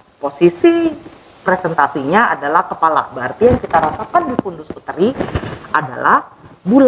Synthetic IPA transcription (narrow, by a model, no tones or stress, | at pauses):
posisi | pɾesɛnt̪asiɲaadalahkəpala̰hbəart̪ijaŋkit̪aɾasakandifundʊsput̪ɾiʔada̰lahbula